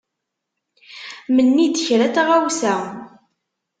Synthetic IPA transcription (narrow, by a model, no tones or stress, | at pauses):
mənːid̪əçɾæt̪aʁawsæ